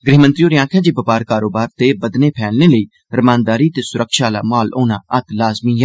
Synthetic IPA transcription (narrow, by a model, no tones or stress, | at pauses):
ɡɾɪːmə̃nt̪ɾijoːɾɪjãːkʰãːd͡ʒiːbəpaːɾkaːɾoːbaːɾt̪eːbəd̪neːpʰɛːlneːləiː | ɾəmãːnd̪aːɾiːt̪eːsʊɾəkʃaːla̰ːmaːloːna̰ːət̪laːzmiːɦɛː